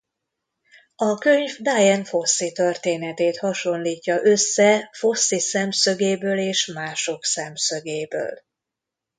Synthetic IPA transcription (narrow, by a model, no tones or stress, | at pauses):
ɒkøɲvd̪aːjɛnfo̞sːit̪ørt̪eːnɛt̪eːt̪hɒʃo̞nliːcːɒʔø̞sːɛfo̞sːisɛmsøɡeːbøːleːʃmaːʃo̞ksɛmsøɡeːbø̰ːl